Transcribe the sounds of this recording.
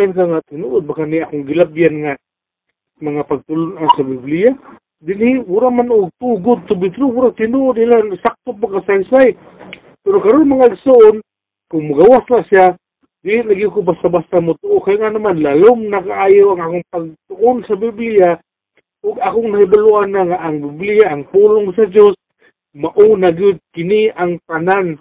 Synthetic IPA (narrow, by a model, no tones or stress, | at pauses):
ank̬aŋat̪ɪnuʔʊd̪̚bakaniʔakʊŋɡɪlabjanŋa | maŋapaɡ̚t̪ʊlʊnansabiblija | d̪ɪniwʊɾamanʊɡ̚t̪uɡʊd̪̚t̪ʊbɪd̪̚t̪ɾowʊɾat̪ɪnuʔʊd̪ilaŋsak̚t̪opaɡasansaj | pɛɾokaɾonmaŋaɡsoʔon | kʊŋmʊɡawaslasja | d̪ilit̪̚naɡijukobast̪abast̪amʊt̪oʔːkajŋanamanlalomnakaajowaŋakʊŋpaɡ̚t̪ʊʔʊnsabiblia | ʊɡakʊŋnahidaluʔanːaŋaʔːŋbɪblijaʔːŋpulʊŋsad͡ʒos | maʔunaɡjʊd̪̚kɪniaŋt̪anan